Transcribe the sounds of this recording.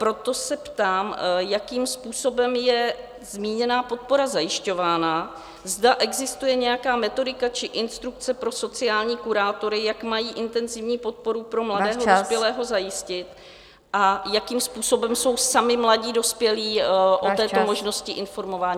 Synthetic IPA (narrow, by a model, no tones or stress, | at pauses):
pɾo̞t̪o̞sɛpt̪aːmjakiːmspuːso̞bɛmjɛ | zmiːɲɛnaːpo̞t̪̚po̞ɾazajɪʃco̞vaːna | zdaʔɛɡzɪst̪ujɛɲɛjakaːmɛt̪o̞dɪkat͡ʃɪʔɪnst̪ɾuk̚t͡sɛpɾo̞so̞t͡sɪjaːlɲiːkuɾaːt̪o̞ɾɪjakmajiːʔɪnt̪ɛnzɪvɲiːpo̞t̪̚po̞ɾupɾo̞mladɛːɦdospjɛlɛːɦo̞zajɪscɪt̪ | ʔajakiːmspuːso̞bɛmso̞wsamɪmlaɟiːdo̞spjɛliːʔot̪ɛːomo̞ʒno̞scɪʔɪnfo̞ɾmo̞vaːɲiː